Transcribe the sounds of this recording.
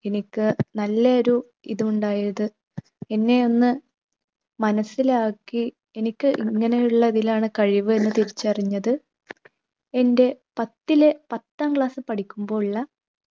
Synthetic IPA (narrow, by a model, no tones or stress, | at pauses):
e̞nikʲːɨnɐlːɐɐɾu | ḭðuuɳɖaːjɐðɨ | e̞nːe̞o̞nːɨ | mɐnɐsːilaːkːi | e̞nikʲːɨʔiŋːɐne̞juɭːɐðilaːɳɨkɐɻiʋɨe̞nːɨt̪iɾit͡ɕːɐriɲːɐðɨ | e̞nde̞pɐt̪ːilepɐt̪ːaːmkɭaːsɨpɐʈʰikʲːumbo̞ːiɭːɐ